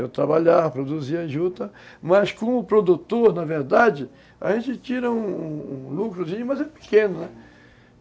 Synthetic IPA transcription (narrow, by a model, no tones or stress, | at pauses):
ewt̪ɾabaʎaɾpɾod̪uziaʒud̪ɐmɐskõʊpɾod̪ut̪oɾnɐveɾd̪ad͡ʒɪ | a̰ʒẽnt͡ʃɪt͡ʃiɾɐũũũlukɾʊzĩɲʊmɐzɛpɪ̥kẽnʊnɛ